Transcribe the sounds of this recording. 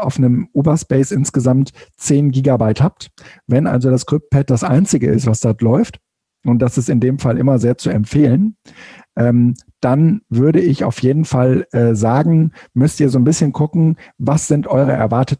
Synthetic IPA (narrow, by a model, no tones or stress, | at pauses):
ʔaʊfnəmʔuːbɐspɛɪsʔɪnsɡ̥əzamtt͡seːnɡiːɡabaɪthap̚tvɛnʔa̰lzodaskʁ̥ɪp̚t̚pʰɛt̚d̥asʔa̰ɪnt͡sɪɡəɪ̰stv̥asd̥ɔɐtlɔʏft | ʔʊnt̚d̥asɪstɪndeːmfalʔɪmɐzeːɐt͡suɛmfeːlənʔɛːmd̥anvʏɐɾəɪça̰ʊfjeːdn̩falʔɛːzaːɡŋ̩mʏstiːɐzoːnbɪsçənkʰʊkŋ̩vasz̥ɪntʔɔʏʁ̞əʔɛ̰ɐvaɐtət̩